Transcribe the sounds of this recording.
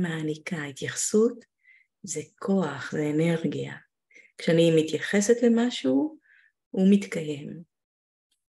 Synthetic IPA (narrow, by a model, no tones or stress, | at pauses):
maːnikait̪jaχsut̪ | zekʰo̞aχzeːne̞ʁɡija̰ | kʃeanimit̪jaχe̞set̪le̞maʃu | umit̪kaje̞m